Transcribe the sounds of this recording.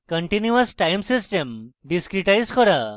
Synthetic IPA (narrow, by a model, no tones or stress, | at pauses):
kə̃ɳʈinjuɐsʈajmsisʈemɖiskɾiʈajskɔɾa